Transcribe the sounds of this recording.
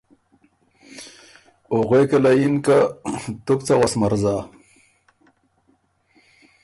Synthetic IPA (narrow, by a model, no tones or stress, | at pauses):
oɣekalajinkat̪ukt͡sawasmaɾza